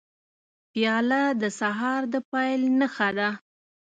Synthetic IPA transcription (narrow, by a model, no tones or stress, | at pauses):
pijɑlad̪əsaɦɑɾd̪əpɑjlnəxad̪a